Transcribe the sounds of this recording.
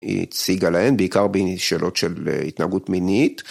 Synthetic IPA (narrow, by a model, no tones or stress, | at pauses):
ḭt͡siɡalaenbeikaʁbiʃeːlʔo̞tʃelitnaaɡutminit